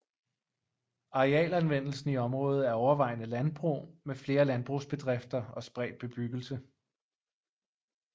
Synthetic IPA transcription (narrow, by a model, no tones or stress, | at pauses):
ɑ̈ʁeɛ̰ːlænʋen̰l̩sn̩iɒ̽mʁɔ̽ːð̞̩ˠæɐɒʊɐʋɑ̈ɪnəlænb̥ʁṵːmefle̝ːɐlænb̥ʁṵsb̥e̝d̥ʁefd̥ɐɒ̽sb̥ʁɛ̰ːd̥̚b̥e̝b̥yɡ̥l̩sə